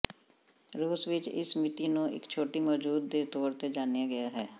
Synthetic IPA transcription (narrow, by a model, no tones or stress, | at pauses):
ɾoːsʋɪt͡ʃɪ̰smɪt̪iːnũːɪ̰kt͡ʃʰoːʈiːmɔːd͡ʒuːd̪ːeːt̪oːɾt̪eːd͡ʒaːnijaɡəjaɦɛː